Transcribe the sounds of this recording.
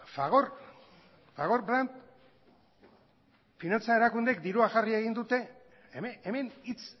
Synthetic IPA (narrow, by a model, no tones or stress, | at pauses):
faɣor | faɣ̞o̞ɾbɾant̪ | finant͡sae̞ɾakund̪e̞kd̪iɾuaxarie̞ɣ̞ind̪ut̪e̞ | meme̞nit͡s